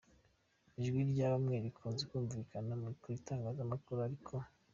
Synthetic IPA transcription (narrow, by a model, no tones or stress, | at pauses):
iʒɡwiɾɟaːβamŋe̞ːɾikʰoːnzekuːɱviːkanamuikuɾitaːŋɡazamakuɾuaɾikʰo̞